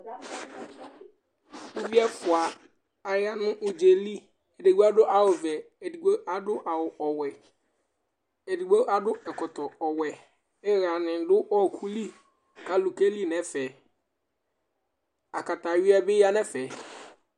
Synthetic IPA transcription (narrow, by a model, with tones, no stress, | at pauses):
o˦vi˦ɛ˦fʊ˨a˨ | a˨ja˦nʊ̃˦ʔo˨d͡ʒe˨li˦ | e˨de˨ɡu˦a˦dʊ˦ʔa˨wʊ˨vɛ˨ | e˨di˨ɡ͡bo˦ʔa˦dʊ˦ʔa˨wʊ˨ʔɔ˨wɛ˨ | e˨di˨ɡ͡bo˦ʔa˦dʊ˦ɛ˨kʊ˨tɔ˨ɔ˨wɛ˨ | ɛ˦ɣa˨nɪ̃˨˦dʊ˦ʔɔ˦˨kʰu˦li˦ | kʰa˨lu˨ke˦li˦˨nɛ̃˨˦fɛ˨ | a˨ka˨ta˨ɥɪ˦a˦bɪ˦ja˦nɛ̃˦fɛ˨